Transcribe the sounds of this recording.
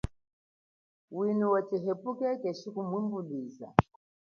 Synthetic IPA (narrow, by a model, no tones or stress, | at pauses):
winuwatiɦɛpukɛkɛʃikumwimbuɗiza̰